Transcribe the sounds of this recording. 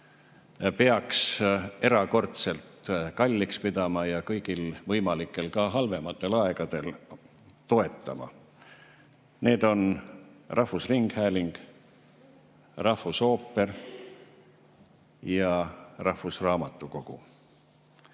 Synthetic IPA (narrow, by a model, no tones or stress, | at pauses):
peɑkse̞ɾɑko̞rt̪se̞lt̪kɑlʲːikspid̪̥ɑmɑjɑkɤjɡ̥ilvɤjmɑlikːˑe̞lkɑɦɑlve̞mɑt̪ːˑe̞lɑe̞ɡ̥ɑd̪̥e̞l | t̪o̞e̞t̪ːˑɑ̰mɑ̰ | ne̞ːd̪̥o̞nrʔɑhvusriŋɡ̥hæːlʲiŋɡ̥ | rɑhvuso̞ːpːe̞r | jɑrɑhfusrɑːmɑt̪ːˑuko̞ɡ̥u